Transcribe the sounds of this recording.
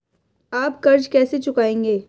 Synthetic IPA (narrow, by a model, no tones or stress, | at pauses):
aːpkɐɾd͡ʒkɛːset͡ʃʊkaːẽːŋɡeː